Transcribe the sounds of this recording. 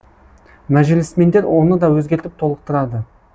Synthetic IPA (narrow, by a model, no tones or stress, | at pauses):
mæʒɪlɪsme̞nd̪e̞ɾwo̞nəd̪ɑwɵzɡʲe̞ɾt̪ɪp̚t̪ʰo̞lˠəq̚t̪əɾɑd̪ə